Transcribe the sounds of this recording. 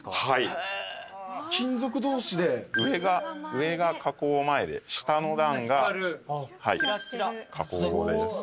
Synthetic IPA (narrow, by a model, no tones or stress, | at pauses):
hai | kʲĩnzo̞k̬ɯ̟d̪o̞ːɕid̪e̞ɯ̟eɡaɯ̟e̞ɡakʰako̞ːmae̞d̪e̞̰ɕi̥t̪ano̞d̪ãŋɡa | haḭkʰako̞ːd̪aiza